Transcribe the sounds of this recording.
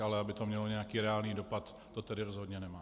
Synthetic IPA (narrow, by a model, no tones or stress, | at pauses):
alɛabɪt̪omɲɛloɲɛakiːɾɛaːlniːdopat̪ːot̪ɛdɪɾozɦod̪ɲɛnɛmaː